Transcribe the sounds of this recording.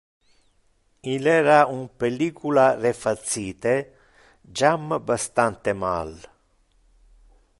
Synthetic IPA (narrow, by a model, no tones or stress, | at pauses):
ilɛːɾaumpelikʰularefat̪sːiːt̪e | d͡ʒambast̪ant̪ema̰l